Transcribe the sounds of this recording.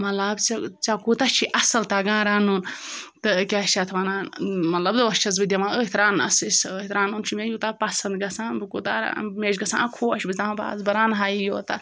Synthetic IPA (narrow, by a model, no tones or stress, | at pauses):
mɐt̪lɐbt͡sɐt͡sɐkut̪ɐt͡ʃʰiʔɐsɐlt̪aɡãːɾaːnunt̪ɨkʲat͡ʃɐt̪ʰʋɐnaːnmɐt̪lɐbd̪ɨʋɐst͡ʃʰɐzbɨd̪ʲjɐmãəɦit̪ɾaːnɐ̰sisɦit̪ɾaːnunt͡ʃʰimejut̪apɐsɐnd̪ɡɐsãːbɨkuːt̪aːɾa̰meːd͡ʒɡɐsã̰ːkʰoːʃbɨzt̪aãba̰ːzbɐɾaːnɦaːjijoːt̪ɐ